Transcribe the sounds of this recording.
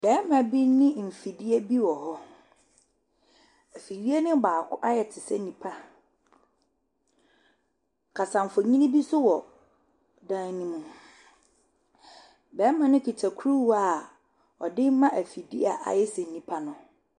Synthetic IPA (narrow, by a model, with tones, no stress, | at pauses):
bɛ˨˦mã˨bi˦nɪ̃˦m̩˨fi˨di˦æ˦bi˦wɔ˨hɔ˦ | æ˨fi˨ɾi˦e˦nɪ̃˦baː˨kʰʊ̰˦ʔa˦jɛ˨tʰɪ˨sɛ˦nĩ˨pʰa˨ | kʰa˨sã˨ɱ̩˨fɔ˨ɲĩ˦nĩ˦bi˦sʊ˦wɔ˨ | dãː˦nĩ˦mũ˦ | bɛ˨˦mã˦nʊ̃˦kʰi˨tʰa˨kʰu˦ɾu˦˨˦a˦˨ | ɔ̰˨dɪ˦m˦mã˦ʔæ˨fi˨dḭ˦a˨ʔa̰˨jɛ˦sɛ˨n̩˨nĩ˦pʰa˦nʊ̃˨